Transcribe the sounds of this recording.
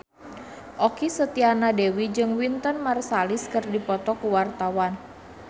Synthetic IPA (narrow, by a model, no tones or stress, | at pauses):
ʔokisət̪ianadewid͡ʒɨŋwint̪ənmarsaliskɨrdipɔt̪ɔkuwart̪awan